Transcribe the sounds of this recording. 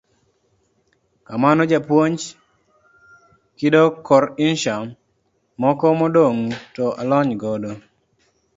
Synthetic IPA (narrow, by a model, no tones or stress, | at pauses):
kamanɔd͡ʒapwoɲt͡ʃ | kɪdɔkɔɾɪnʃa | mɔkɔmɔdoŋtɔʔalɔɲɡɔdo